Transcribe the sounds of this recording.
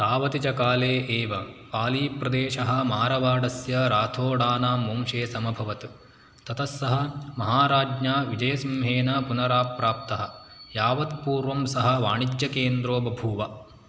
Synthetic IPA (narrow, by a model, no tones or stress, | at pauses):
t̪aːʋɐt̪it͡ʃɐkaːleːʔeːʋɐpaːliːpɾɐd̪eːʃɐɦɐ̆maːɾɐʋaːɽɐsjɐɾaːt̪ʰoːɽaːnaːmoːmʃeːsɐmɐbʱɐʋɐt̪ | t̪ɐt̪ʰɐsːɐɦɐ̆mɐɦaːɾaːd͡ʒɲaːʋid͡ʒɐjɐsɐmɦeːnɐpunɐɾaːpɾaːp̚t̪ɐɦɐ̆jaːʋɐt̪̚puːɾʋɐmsɐɦɐ̆ʋaːɳid͡ʒjɐkeːnd̪ɾoːbɐbʱuːʋɐ